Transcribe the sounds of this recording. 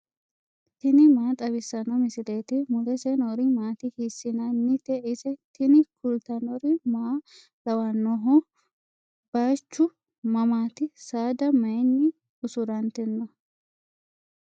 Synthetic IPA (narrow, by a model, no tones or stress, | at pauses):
t̪ɪnɪmaːt̪ʼɐbɪsːɐnɐmɪsɪleːt̪ɪmʊlɛsɛnɔɾɪmaːt̪ɪhɪsːɪnɐnːɪt̪ɛʔɪsɛt̪ɪnɪkʊlt̪ɐnɔɾɪmaː | lɐwɐnːɔɦɔ | b̥aːt͡ʃːʊ | mɐmaːt̪ɪsaːd̪ɐmɐjnːɪ | ʊsʊɾɐnt̪ɪnːɐ